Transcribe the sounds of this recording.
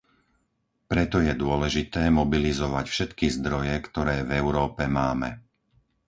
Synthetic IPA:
pɾɛt̪ɔjɛd̪ʊɔlɛʒit̪ɛːmɔbilizɔʋacfʃɛt̪kizd̪ɾɔjɛkt̪ɔɾɛːvɛʊɾɔːpɛmaːmɛ̰

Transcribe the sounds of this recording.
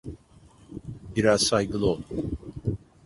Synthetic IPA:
biɾaz̥sajɡɯlˠɯolˠu

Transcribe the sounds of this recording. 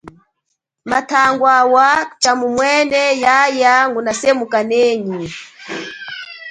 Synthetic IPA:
matʰaŋɡwawat͡ʃamumwɛnɛjajaŋɡunasɛmukanɛɲi

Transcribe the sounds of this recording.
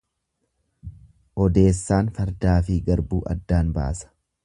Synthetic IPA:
ʔɔd̪e̞ːsːaːnfɐɾd̪aːfɪɡɐɾbuːʔɐ̰d̪ːaːnba̰ːsɐ̥

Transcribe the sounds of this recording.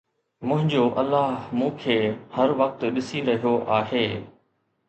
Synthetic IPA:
mʊ̃ɦɪ̃ɲd͡ʑoʔɐlːaːɦmũːkʰeːhɐɾʋɐk̚t̪ɗɪsiɾɐɦijoʔaːɦeː

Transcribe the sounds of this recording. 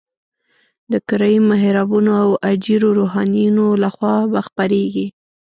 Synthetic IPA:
d̪əkɪɾajimaɦɾɑbunoawad͡ʒiɾoɾoɦɑnijunolaxwɑbaxpaɾeɡi

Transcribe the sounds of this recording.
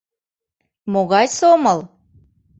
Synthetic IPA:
moɣɑjsoməlˠ

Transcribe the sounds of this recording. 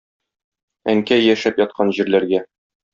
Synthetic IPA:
æŋkæjæʃæpjɒt̪̚qʰɑnʑĭɾlæɾɡæ

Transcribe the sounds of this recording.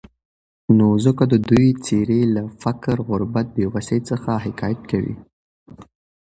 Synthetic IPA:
nozʊkad̪əd̪ujt͡seɾelafakɾɣʊɾbat̪̚bewasejt͡səxaɦɪkɑjat̪̚kawḭ

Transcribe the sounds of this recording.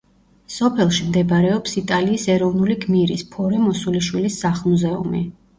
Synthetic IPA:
sɔpʰɛlˠʃimd̪ɛbaɾɛɔpsit̪ʼaliːsɛɾɔvnuliɡmiɾispʰɔɾɛmɔsuliʃwilisːaχmuzɛṵmḭ

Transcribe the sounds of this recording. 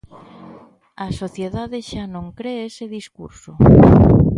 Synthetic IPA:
asoθjeðaðeʃanõŋkɾeeseðiskṵɾso

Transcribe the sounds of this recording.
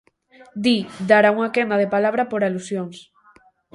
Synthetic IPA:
d̪id̪aɾauŋakɛnd̪að̞epalaβ̞ɾapoɾalusjoŋs

